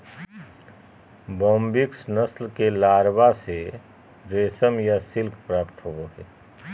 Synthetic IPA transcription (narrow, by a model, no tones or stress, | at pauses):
bɔ̃ːmbɪksnəslkelaːɾbase | ɾeːsəmjasɪlkʰpɾaːpt̪ɦoɡoɦɛː